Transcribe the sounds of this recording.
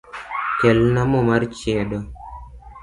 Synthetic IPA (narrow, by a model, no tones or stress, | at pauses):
kɛlnamɔmart͡ʃɪɛɗɔ